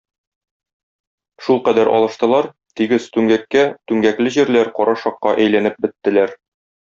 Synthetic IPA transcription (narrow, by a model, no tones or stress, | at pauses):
ʃulˠqæd̪æɾʔɒ̰lˠɤ̆ʃt̪ɤ̆lˠɑɾ | t̪iɡɘz̥t̪ʉŋɡækːæt̪ʉŋɡæklɘʑiɾlæɾqɒɾɑʃɒqːɑʔæjlænɘp̚bɘ̆t̪ːɘ̆læɾ